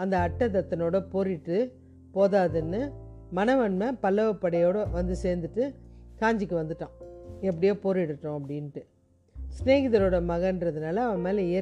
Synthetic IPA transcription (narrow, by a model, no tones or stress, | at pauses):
ɐnd̪ɐːʈːɐt̪̬ɐt̪ːɐnoːɽɐpoːɾɪʈːɯ | poːðaːðɯnːɯ | mɐnɐʋɐnmɐpɐlːɐʋɐpːɐɽɐjoːɽɐʋɐnd̪ɯseːɾnd̪ɯʈːɯkaːɲd͡ʒɪkːɯʋɐnd̪ɯʈːãːɛp̬ːɐɽɪjoːpoːɾɪɽɯʈːʊ̃ɐpːɐɽɪnʈːɯ | sneːɣɪðɐɾoːɽɐmɐɣɐndɾɐðɯnaːlɐɐʋɐmeːlɐɪjɐ